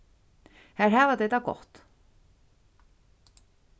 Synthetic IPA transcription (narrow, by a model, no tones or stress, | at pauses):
hɛɾ̥ɦaːvat̪ejt̪akɔ̰ht̪